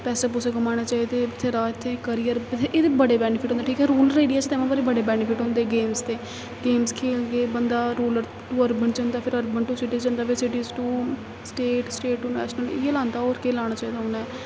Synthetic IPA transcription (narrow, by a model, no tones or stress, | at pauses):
pɛːseːp̬ʊsːɡʊmaːɽ̃aːt͡ʃaːid̪eːɪt̪ʰːeːɾaːɪt̪ʰːeːkəɾijəɾbɪt̪ʰːeʔeːt̪eːbəɽeːbɛːnɪpʰɪʈõnd̪eʈʰiːkɛːɾuːləɾeːɖijaːt͡ʃt̪ɛːmãːbaɾeːbəɽeːbɛːnɪpʰɪʈɦõːnd̪eːɡeːmst̪eː | ɡeːmskʰeːlɡeːbənd̪aːɾuːləɾ | ʈuːəɾbəɳt͡ʃə̃nd̪aːpʰɪɾəɾbənʈuːsɪʈɪzd͡ʒə̃ːnd̪aːpɪsɪʈizʈuː | sʈeːʈsʈeːʈunɛ̰ːʃnəlɪjelãːnd̪aːoːɾkeːlaːɽ̃aːt͡ʃaːiːd̪aːɦʊnaɛ